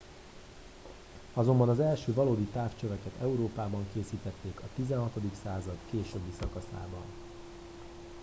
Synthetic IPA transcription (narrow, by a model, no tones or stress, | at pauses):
ɒzo̞mbɒnɒzɛlʃøːvɒloːd̪it̪aːft͡ʃøvɛkɛt̪ɛuɾoːpaːbɒŋkeːsiːt̪ɛt̪ːeːkɒt̪izɛnɦɒt̪o̞d̪iksaːzɒt̪keːʃøbːisɒkɒsa̰ːbɒ̰n